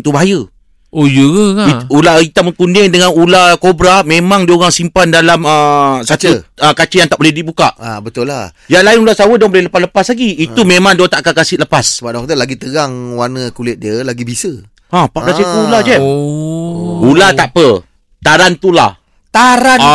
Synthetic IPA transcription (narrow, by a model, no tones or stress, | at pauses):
t̪ubaɦajə | ojəəaiulait̪aməkundɪŋdəŋanulakobɾamẽmãŋdioɣaŋsimpandalaməsatuəkat͡ʃəjaŋt̪aʔbolɛhdibukaʔabət̪ʊlajaŋlaɪnulasawədɔŋbolɛhləpasləpaslaɡiːt̪umẽmãŋdot̪aʔkakasɪʔləpasəbap̚dŋt̪əlaɡit̪əɡaŋwanəkulɪt̪̚diəlaɡibisə | apaʔblasik̪uulad͡ʒɛ | ulat̪aʔpə | t̪aɾant̪ula̰h | t̪aɾaa